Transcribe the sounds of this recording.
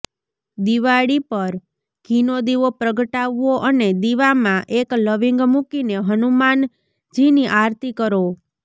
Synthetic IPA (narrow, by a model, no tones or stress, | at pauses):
d̪iʋaɽipəɾ | ɡʱinod̪iʋopɾəɡəʈaʋːoʔəned̪iʋamãʔekləʋiŋɡmukineɦənuman | d͡ʒiniʔaɾt̪ikəɾo